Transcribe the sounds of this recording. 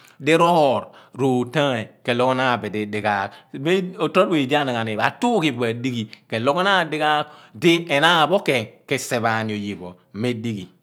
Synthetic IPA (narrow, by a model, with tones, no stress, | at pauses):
di˦ɾo˦hɔ˦˨ɾɾo˨tã˦e˨ke˨lo˦ko˦na˦˨be˨di˨di˨ka˨kbe˦o˨tɾo˦t̚e˨i˨di˦a˦na˨ŋa˨ni˨ba˨tu˦ki˨be˨di˦ɡi˨ke˨lo˦ko˦na˦˨di˦ka˦kdi˦e˨na˦˨bo˦ke˨ke˨se˨βa˨ni˨o˨ji˨bo˨˦me˦di˦ɡi˨